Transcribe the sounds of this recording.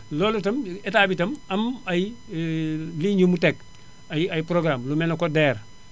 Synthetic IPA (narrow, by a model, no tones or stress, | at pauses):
loːlutɐmetabitɐmɐmaji | liɲumutek̚ | ajajpɾoɡɾamlumenokodɛːɾ